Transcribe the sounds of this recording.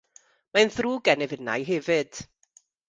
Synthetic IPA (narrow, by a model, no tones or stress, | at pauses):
manθruːɡɛnɛvəna̰jɦɛvɨd̥